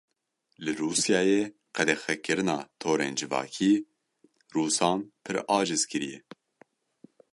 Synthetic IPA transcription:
lɨɾuːsjɑːjeː | qʰɛd̪ɛxɛkːɨɾɨnɑːt̪ʰoːɾḛːnd͡ʒɨvɑ̰ːkʰiː | ruːsɑːnpʰɨɾɑːd͡ʒɨzkʰɨɾijɛ

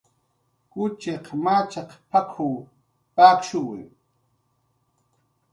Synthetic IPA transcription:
kʊt͡ʃeqmat͡ʃaqpakʰuw | pakʃʊwɪ̰

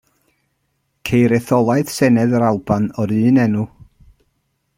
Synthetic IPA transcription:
kʰejɾɛθɔlˠaɨð̥sɛnɛðəɾalˠbanɔɾɨːnɛnu

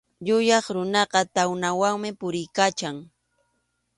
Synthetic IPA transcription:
ʎʊjɑχɾʊnɑqɑt̪awnawaŋmɪpʊɾɪjkat͡ʃaŋ

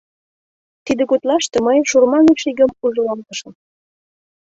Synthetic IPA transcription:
t̪id̪ə̆kut̪lɑʃt̪ɤ̆mɤjʃurmɑneʃiɣə̆muʒɤlɑlt̪ɤ̆ʃɤ̆m

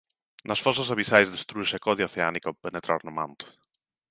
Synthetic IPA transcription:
nasfɔsasaβisajzðest̪ɾuiʃekɔðjioθeanikopenet̪ɾʔa̰ɾnoma̰nt̪u̥

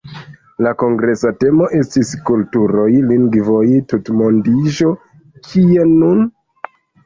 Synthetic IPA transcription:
lako̞ŋɡɾe̞sate̞mo̞ʔe̞stiskultuɾo̞jliŋɡvo̞jtutmondiʒo̞ | kʰienun

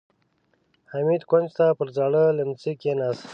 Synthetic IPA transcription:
hamid̪kand͡ʒt̪apəɾzaɽələmt͡sikenas

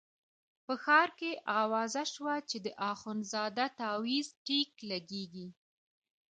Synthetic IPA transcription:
pəxɑɾkeʔɑwɑzaʃwat͡ʃed̪əʔɑxʊnzɑd̪at̪ɑwizʈiklaɡeɡi

